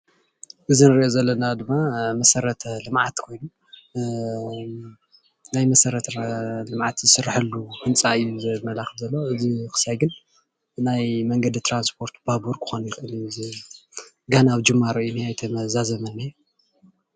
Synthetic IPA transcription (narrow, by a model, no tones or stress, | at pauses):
ʔɨzinɨɾiʔozɐlːɐnad̪ɨmːamɐsɐɾɐt̪ʰɐlɨmʕat̪kʰo̞jnu | najmɐsɐɾɐt̪ʰɐlɨmʕat̪zɨsɨraħɐlːuhɨnt͡sʼaɨjːuzɨmɐlaxɨfzɐlːoɨzikʰɨ̥sajɡɨn | najmɐŋɡɐd̪it̪ʰɾanspʰo̞ɾt̪babuɾkʰɨ̥xonjɪxʔɨliz | ɡanaːβd͡ʒɨmːaɾɨjuniajt̪ʰɐmɐzazɐmɐnːajːu